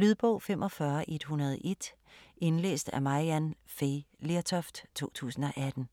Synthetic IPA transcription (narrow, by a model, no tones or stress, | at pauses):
lyðˠb̥ɔ̽ʊ̰femʔɒ̽fɶɐʔe̝d̥hunɐð̞̩ˠʔe̝d̥ | e̝nlḛːsd̥æmɑiænfeleɐt͡sʰɒ̽fd̥t͡sʰo̝̰ːt͡sʰṵːsn̩ɒ̽ʔæd̥n̩